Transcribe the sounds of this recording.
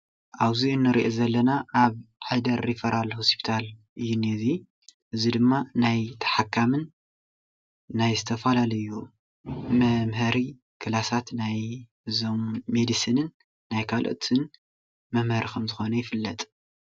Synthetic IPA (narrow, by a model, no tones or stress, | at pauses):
ʔaβziɨnːɨɾiʔezɐlːɐnaʔaβħad̪ɐɾːifɐɾalhospʰi̥t̪ʰalʔɨjːunezi | ʔɨzid̪ɨmːanajt̪ʰɐ̥ħakʰːamɨn | ajzɨt̪ʰɐfalalɐju | mɐmɦɐɾi | kʰɨlasat̪naj | zommed̪isinɨnː | ajkʰalʔo̰t̪ʰɨn | mɐmhɐɾikʰɐmzɨxo̞nɐjɪfɨlːɐt̪ʼ